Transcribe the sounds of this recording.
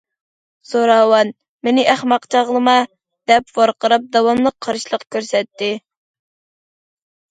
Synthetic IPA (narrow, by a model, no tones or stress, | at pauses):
soɾɑwɑn | menɪʔæχmɑqt͡ʃʰɑʁlˠəmɑ | d̪ɛpwɑɾqəɾɑp̚d̪ɑwɑmlˠəq̚ʰːɑɾɨʃlˠəqkʲʰøɾsɛt̪ːɪ